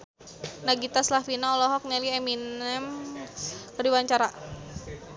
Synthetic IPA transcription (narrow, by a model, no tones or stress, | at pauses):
naɡit̪aslafinaɔlɔɦɔk̚nɛliɛminɛm | kəɾiwaɲt͡ʃaɾa